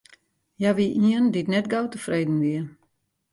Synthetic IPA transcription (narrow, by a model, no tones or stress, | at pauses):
jaʋiʔiənditnɛtɡowtəfrejdn̩ʋiə